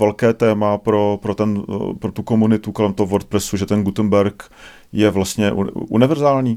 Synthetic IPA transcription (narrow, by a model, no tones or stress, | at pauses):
vɛlkɛːt̪ɛːmapɾo̞pɾot̪ɛnpɾot̪uko̞munɪt̪uko̞lɛmt̪oɦovoɾt̪̚pɾɛsuʒɛt̪ɛnɡut̪ənbɛɾk | jɛvlast̪ɲɛʔṵʔṵnɪvɛɾzaːlɲiː